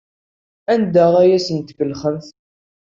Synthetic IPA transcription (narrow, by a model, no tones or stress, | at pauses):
ænd̪æʁæjæsənt̪ːkəlχəmθ